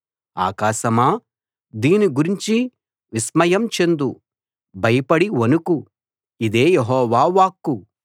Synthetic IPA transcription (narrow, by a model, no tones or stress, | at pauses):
a̰ːkaːʃɐmaː | d̪iːniɡuɾiɲt͡ʃi | ʋismɐjɐmt͡ʃe̞nd̪u | bʱɐjɐpɐɽiʋɐnuku | id̪eːjeɦɔːʋaːʋaːkːu